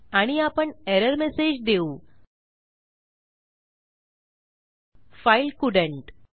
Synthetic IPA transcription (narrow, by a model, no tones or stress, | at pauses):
aɽ̃iapəɳeɾəɾmesed͡ʑd̪eu | failkuɖə̃ɳʈ